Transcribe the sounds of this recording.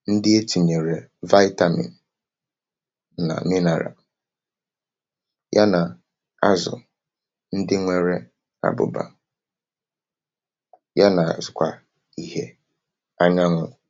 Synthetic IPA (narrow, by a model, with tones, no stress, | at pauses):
n̩˦dɪ˦e˦ti˨ɲe˨ɾe˨va˦ɪ˦ta˦mḭ˨n̩˨ | na̰˨mɪ˦na˨ɾa̰˨ | ja˦na˨ | a˦zʊ̰˨ | n̩˦dɪ˦ŋʷe˦ɾe˦ | a̰˦bʊ̰˨ba̰˨ | ja˦na˨zʊ˨kʷa˨ | i˨ɦe˦ | a˦ɲa˦ŋʷʊ˦